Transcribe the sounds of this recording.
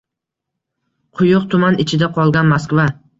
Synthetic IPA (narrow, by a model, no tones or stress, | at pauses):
qʰʊjʊqt̪ʰʊmanɪt͡ʃʰɪd̪aqʰɒlˠɡʲanmaskva